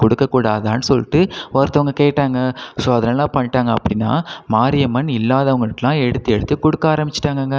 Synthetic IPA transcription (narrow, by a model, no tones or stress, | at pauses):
kɔɽɯkːɐkːuːɽaːðaːnɯsɔlːɪʈːɯɔɾɐt̪ːɐʋɐŋɡɐkeːʈːaːŋɡɐsoːɐðɐnɐlːãːpɐɳːɪʈːaːŋɡɐɐpːɐɽɪnːa̰ːmaːɾɪjɐmɐnɪlːaːðɐʋɐŋɡɐʈːɐlãːɛɽɯt̪ːɯɛɽɯt̪ːɯkɔɽɯkːaːɾɐmbɪt͡ʃːɪ̥ʈːaːŋɡɐːŋɡɐ